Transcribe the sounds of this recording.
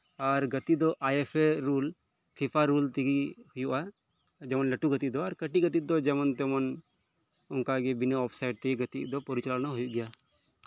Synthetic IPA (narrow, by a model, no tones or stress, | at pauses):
aɾɡət̪id̪ɔʔajepʰeɾul | pʰipʰaɾult̪ɛɡihʊjuʔa | d͡ʒɛmɔnləʈuɡət̪id̪ɔaɾkəʈiɡət̪̬id̪ɔd͡ʒɛmɔnt̪ɛmɔn | ʊnkaɡɛbinaɔpʰsajɖ̚t̪ɛiɡət̪iʔd̪ɔpɔɾit͡ʃəlalnaɦujuʔɡɛja